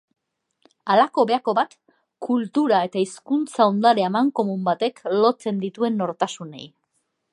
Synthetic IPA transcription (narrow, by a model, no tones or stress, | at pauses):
alako̞βe̞ako̞βat̪ | kult̪uɾae̞t̪aiskunt͡saond̪aɾeaemaŋko̞mumbat̪e̞klo̞t͡se̞nd̪it̪ue̞nːo̞ɾt̪asune̞̰j